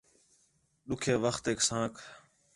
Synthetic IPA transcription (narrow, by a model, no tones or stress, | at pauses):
ɗʊkʰeːʋəxt̪eːksãːkʰ